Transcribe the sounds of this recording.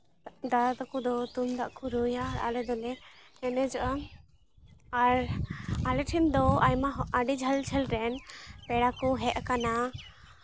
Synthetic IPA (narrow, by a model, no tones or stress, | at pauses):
d̪adat̪akud̪ɔt̪umd̪aʔkuɾujaɾa̰lɛd̪ɔlɛ | ɛnɛd͡ʒɔʔa | aɾalɛʈʰind̪ɔajmaɦaɖid͡ʒʱald͡ʒʰʱɛlɾɛnpɛɽakɔɦɛʔkana